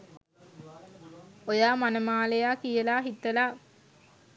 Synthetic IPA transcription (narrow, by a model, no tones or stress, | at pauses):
ojaːmanəmaːlejaːkijəlaːɦit̪ːəlaː